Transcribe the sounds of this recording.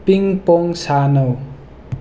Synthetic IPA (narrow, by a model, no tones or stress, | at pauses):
piŋpoŋsanʌw